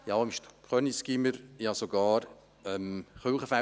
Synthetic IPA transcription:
jɑmʃtʰχœnisɡ̥iməɾjɑsoɡɑːɾ | ɛmχølχəfa

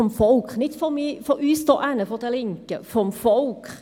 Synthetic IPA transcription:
ɔmfoʊkʁnɪt̪fɔmiːfɔʉːst̪o̰ːʔænəfɔʁt̪ʰɛlɪŋkəfʁɔmfoʊk

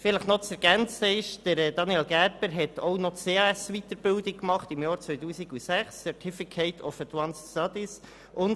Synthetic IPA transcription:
fɪləχnɔt͡sɛɾɡ̥ænt͡səɪʃd̥əɾdɑniɛlɡæɾpəɾɦɛt̪ʰoʊnɔt͡seːɑːɛsʋit̪əɾb̥ɪldɪkkːmɑχtɪmjɑːɾt͡sʋœʏtuːsiɡusæχsːɛtʰɪfikʰeɪtʰɔfətwanstɑdɪs | ʔʊn

